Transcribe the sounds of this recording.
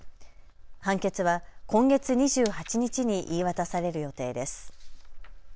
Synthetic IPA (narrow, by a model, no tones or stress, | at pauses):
hãŋke̞t͡sɨβakʰõ̞ŋɡe̞t͡sɨɲ̟iʑɨːhat͡ɕiɲ̟it͡ɕiɲ̟iʔiːβat̪asaɾe̞ɾɯ̟jo̞t̪e̞ːd̪e̞sɨ̥